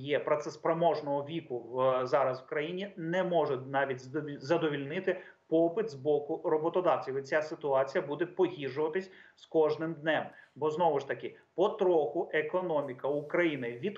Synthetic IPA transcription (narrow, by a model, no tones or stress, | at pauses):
jɛpɾɐt̪sɛspɾɐmɔʒnɔɦɔʋʲikʊzɑɾɐswkɾɐjinʲinɛmɔʒɛnɑʋʲitʲzɐd̪ɔʋʲilʲnɪt̪ɪpɔpɪt̪zbɔkʊɾɔbɔt̪ɔd̪ɑwt͡sʲiʋɪt͡sʲasɪt̪ʊɑt͡sʲijɐbud̪ɛpɔɦʲiʒʊʋɐt̪ɪsʲskɔʒnɪmd̪nɛmbɔznɔʋɪʃt̪ɐkɪpɔt̪ɾɔxʊʔekɔnɔmʲikɐʊkɾɐjinɪʋʲid̪